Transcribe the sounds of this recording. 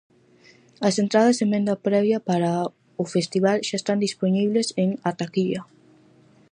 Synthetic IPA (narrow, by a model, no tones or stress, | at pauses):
ɐsent̪ɾað̞ɐsemẽnd̪apɾɛβjɐpaɾa | ʊfest̪iβalʃaest̪and̪isponiβleseŋat̪akiʎɐ